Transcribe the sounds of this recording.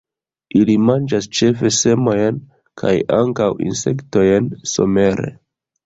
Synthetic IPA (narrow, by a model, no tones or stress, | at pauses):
ilimand͡ʒast͡ʃe̞fe̞se̞mo̞jn | kʰa̰jaŋkawḭnse̞̰kto̞jnso̞̰me̞ɾe̞̰